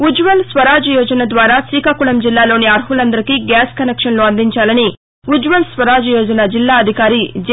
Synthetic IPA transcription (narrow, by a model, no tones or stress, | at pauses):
ud͡ʒʋɐlsʋɐɾaːd͡ʒɐjɔːd͡ʒɐnɐd̪ʋaːɾaːsiːkakuɭɐmd͡ʒilːaːlo̞ːniɐɾɦulɐnd̪ɐɾikiɡaːskɐnekʂɐnloːɐnd̪iɲt͡ʃaːlɐni | ud͡ʒʋɐlsʋɐɾaːd͡ʒɐjɔːd͡ʒɐnɐd͡ʒilːaːɐd̪ʱikaːɾid͡ʒ